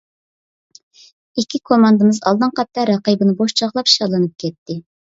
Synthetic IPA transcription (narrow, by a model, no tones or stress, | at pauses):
ikʲʰːikʰomɑnd̪ɨmɨzɑ̰lˠd̪ɨnqɑt̪ːɑɾɑqibɨnɨboʃt͡ʃʰɑʁlˠɑpʃɑlˠɨnɨp̚kʲʰɛt̪ʰːɪ